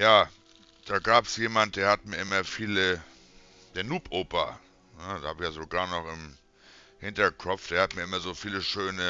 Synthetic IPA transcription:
jaː | d̥aːɡaːpsjeːmant̚d̥eːɐhatmiːɐʔɪmɐfiːlə | d̥eːɐnuːpʰʔoːpɐ | nədahaːbɪçjaːzoːɡaːɐnɔχɪm | hɪntɐkʰɔp͡fd̥eːɐhatmiːɐʔɪmɐzoːfiːləʃøːnə

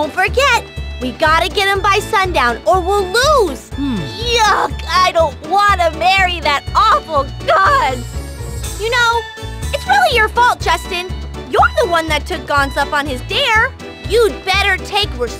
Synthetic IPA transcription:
dõʊ̃ntfə˞ɡɛt̚wiɡɑɾɨɡɛɾ̚ɨ̃mbaɪsʌ̃ndãʊ̃nə˞wɪlˠluz̥jʌkʰaɪɾõʊ̃nt̚wɑ̃nɨmɛɹiðɨɾɔfl̩ˠɡ̥ɑn | jɨnoʊ | ɨtsɹɪlˠijə˞fɔlˠt̚d̥ʒ̥ʌstɨ̃njə˞ðəwʌ̃nðɨtʰʊk̚ɡ̥ɑ̃nzʌpn̩ɪzdɛɹ | jɨd̚bɛɾə˞tʰeɪkwə˞

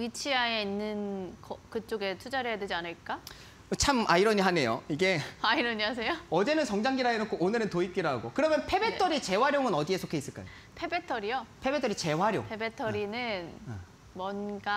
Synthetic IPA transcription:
it͡ɕʰiaeinːɯnkʌkɯt͡ɕ͈oɡe̞tʰud͡ʑaɾejadwe̞d͡ʑianɯɭk͈a | t͡ɕʰama̰iɾʌɲiɦane̞jo̰iɡe̞aiɾʌɲiɦas̬ʰe̞joʌd͡ʑe̞nɯnsʰʌŋd͡ʑaŋɡiɾaɦenok͈ʰoʔonɯɾɯntoip̚k͈iɾaɡokɯɾʌmjʌnpʰe̞be̞t͈ʰʌɾit͡ɕe̞waɾjoŋɯnʌdie̞sʰokʰe̞is͈ɯɭk͈a̰jo̰ | pʰe̞be̞tʰʌɾijopʰe̞betʰʌɾit͡ɕe̞waɾjo̰ŋpʰebe̞tʰʌɾinɯn | mwʌnɡa

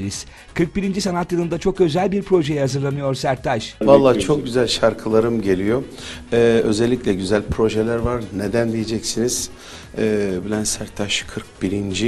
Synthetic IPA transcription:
ɾiz̥ | kʰɯɾk̚biɾind͡ʒisanat̪janˠɯnd̪at͡ʃʰo̞kø̞zælʲbiɾpɾo̞ʒe̞jɛhazɯɾlˠanɯjo̞ɾsæɾt̪ʰaʃvalˠːaːt͡ʃʰok̚ɟyzælʲʃaɾkʰɯlˠaɾɯmɟe̞lʲijo̞ | ɛø̞zɛlʲːicʲlʲɛɟyzælʲpʰɾo̞ʒelʲæɾvaɾned̪ænd̪ijed͡ʒɛcsiniz̥ | ɛːbilʲænsæɾt̪ʰaʃkʰɯɾk̚biɾind͡ʒi

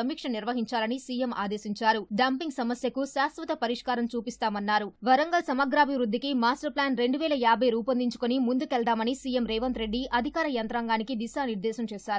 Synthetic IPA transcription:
ɐmiːkʂɐniɾʋɐɦiɲt͡ʃaːlɐnisiːjemʔa̰ːd̪eːsiɲt͡ʃaːɾuɖɐmpiŋɡsɐmɐsjɐkuʃaːsʋɐt̪ɐpɐɾiʂkaːɾɐmt͡ʃuːpist̪aːmɐnːaːɾuʋɐɾɐŋɡɐsɐmaːɡɾaːbʱiʋɾud̪ːikimaːsʈɐɾplaːnɾe̞ɳɖuʋɛːlɐjaːbʱɐjɾuːpɐnd̪iɲt͡ʃu̥konimund̪ukɛɭd̪aːmɐnisiːjemɾɛːʋɐnt̪ɾe̞ɖːiʔɐd̪ʱikaːɾɐjɐnt̪ɾaːŋɡaːnikid̪iʃaːniɾd̪ɛːsɐmt͡ʃɛːʃaːɾu

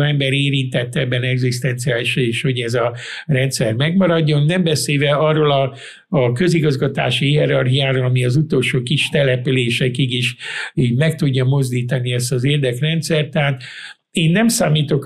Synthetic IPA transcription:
ɛmbɛɾeːɾint̪ɛt̪ːɛbːɛnɛɡzist̪ɛnt̪siaːliʃeːʃho̞ɟɛzɒrɛnt̪sɛrmɛɡmɒɾɒɟːo̞nːɛmbɛseːvɛɒrːoːlɒː | kø̞ziɡɒzɡɒt̪a̰ːʃiiɛɾɒrɦijaːɾolɒmiɒzut̪o̞lʃoːkiʃt̪ɛlɛpyleːʃɛkiɡiʃiːɟmɛk̚t̪uɟːɒmo̞zd̪iːt̪ɒniɛst̪ɒzeːrd̪ɛkrɛnt̪sɛrt̪aːt̪ | eːnːɛmsaːmiːt̪o̞k

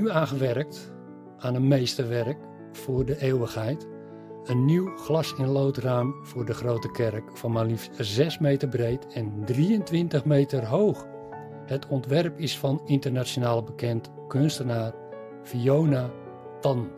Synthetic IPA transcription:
nyaːɣəʋɛrk̚t | aːnətmejstərʋɛrk | fʊːrdəʔeːwəxhɛjt | ənːiwχlɑsɪnloːtraːmv̥ʊːrdəχroːwtəkʰɛrkfɔnmalifzɛsmejtərbrejtɛndriəntʋɪntəχmejtərɦoːx | hətʰɔntʋɛrpɪsfɑnɪntərnasonaːlˠəbəkɛnt | kønstərnaː | fioːna | tɔn

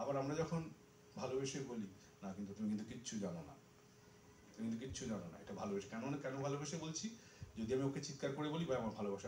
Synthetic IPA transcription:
abaɾamɾad͡ʑɔkʰon | bʱalobeʃeboli | nakint̪ut̪umikint̪ukitːɕʰud͡ʑanona̰ | t̪umikint̪uk̬itːt͡ɕʰud͡ʑanona̰ḛʈabʱalobeʃekɛnoɔnekkɛnobʱalobeʃebolt͡ɕʰi | d͡ʑod̪iamioket͡ɕit̪kaɾkoɾebolibajamaɾbʱalobaʃa

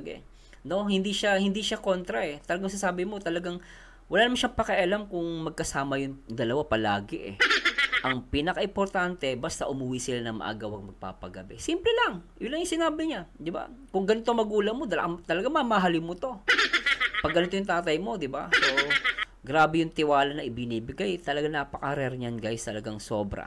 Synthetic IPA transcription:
ɛ̰ | no̞hɪnd̪iʃahɪnd̪iʃako̞nt̪ɾɐʔɛt̪ɐlɐɡaŋsasaːbɪmo̞t̪ɐlɐɡaŋ | wɐlaːnɐmanʃapɐkɛʔɐlamkʊŋmɐɡ̚kɐsaːmɐjʊnd̪ɐlɐwapɐla̰ːɡɪʔɛ̰ʔɐŋpiːnɐkɐʔɪmpoɾt̪ant̪ɛbɐst̪aʔʊmuwisɪlanɐmɐ̰ʔa̰ːɡɐwɐɡ̚mɐɡ̚pa̰ːpɐɡɐbɛsimplɛlɐŋjʊnlːɐŋjʊŋsɪnaːbɪɲad̪ɪba̰kʊŋɡɐnɪt̪omɐɡuːlɐmo̞d̪t̪ɐlɐɡaŋmamaɦalɪmot̪o̞ | pɐɡɐnɪt̪ojʊŋt̪aːt̪̬ɐjmo̞d̪ɪba̰so | ɡɾaːbɛjʊŋt̪ɪwaːlɐnɐʔɪbɪniːbɪɡajt̪ɐlɐɡanaːpɐkɐɾɛɾɲanɡajst̪ɐlɐɡaŋsoːbɾɐ̰

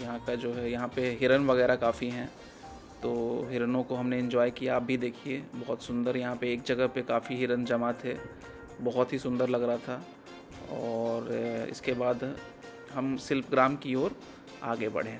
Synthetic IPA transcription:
jɐɦãkad͡ʒoːɦɛjɐɦãpeɦɪɾənʋɐɣɛːɾakaːfiɦɛ̃ː | t̪oːɦɪɾənõkoɦɐmneɪ̃ɲd͡ʒɔːjkijaːp̚bʱid̪eːkʰieːbɐɦʊt̪sʊ̃nd̪əɾjɐɦãpeːk̚d͡ʒɐɡəɦpekaːfiɦɪɾənd͡ʒɐmat̪ʰe | bɐɦɔt̪ɦisʊ̃nd̪əɾlɐɡɾɐat̪ʰa | ɔːɾɪ̰skebaːd̪ | ɦɐmsɪlpɡɾaːmkiɔːɾ | aːɡebɐ̰ɽ̤ẽ

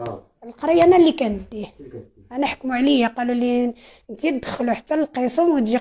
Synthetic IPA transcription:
əlqɑɾˤijænælikænd̪ːi | ʔænæħkmuʕlijaqɑluli | nt̪it̪d̪xəluħḁt̪ːælqesˤəmwət̪ʒi

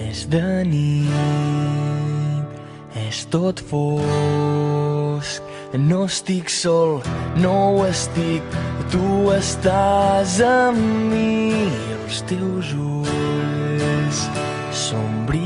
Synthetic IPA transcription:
ɛzðəni | ɛst̪ot̪fo | sk | nost̪iksɔlˠnowəst̪ik̚t̪uəst̪azəmːiiəlˠst̪ewzu | s | sombɾi

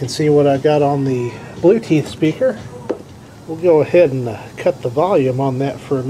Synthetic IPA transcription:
kɨ̃n̩siwʌɾaɪɡɑɾn̩ðɨb̥lʉtʰiθspikə˞ | wilˠɡoʊəhɛdn̩kʰʌt̪̚ðəvɑlˠjʉ̃mə̃nðɨtfə˞ɨm

